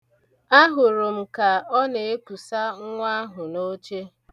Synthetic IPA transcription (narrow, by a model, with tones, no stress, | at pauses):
a˦ɦʊ˨ɾʊ˨m̩˨ka˨ɔ˦ne˨e˦pu˨sa˦ŋ̩˦ŋʷa˦ɦʊ˨no˦t͡ʃe˦